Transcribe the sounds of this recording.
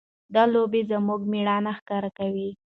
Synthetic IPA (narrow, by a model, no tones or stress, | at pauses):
d̪ɑlobezəmuɡmiɽɑnaxkɑɾakawi